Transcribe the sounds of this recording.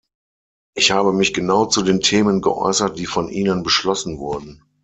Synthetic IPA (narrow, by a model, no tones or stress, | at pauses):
ʔɪçhaːbəmɪçɡ̥ənaʊt͡sudeːntʰeːmənɡə̰ʔɔ̰ʏsɐt̚d̥iːfɔnʔiːnənbəʃlɔsn̩vʊɐdn̩